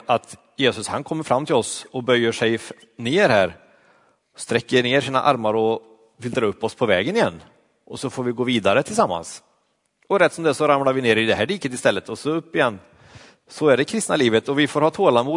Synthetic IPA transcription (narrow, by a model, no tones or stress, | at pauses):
at̪ | jeːsɵshankʰɔmːəɾfɾamːt̪ʰɪlɔsɔbœjːəʂɛj | neːɾɦæːɾ | st̪ɾɛkːəneːʂiːna̰ʔa̰ɾmaɾɔ | fʏlt̪ɾaɵpːɔspʰɔvɛːɡənɪjɛnː | ʔɔsɔfoːɾvɪɡoːviːd̪aɾət̪ʰɪlsamːa̰ns | ɔɾɛt̪ːsɔmd̪ɛsɔɾamlaɾvɪneːɾɪd̪ɛɦæːɖiːkət̪ɪst̪ɛlːət̪ɔsɔɵpːɪjɛnː | sɔæɖɛkʰɾɪst̪naliːvət̪ɔvɪfoːɾhɑːt̪ʰoːlamuː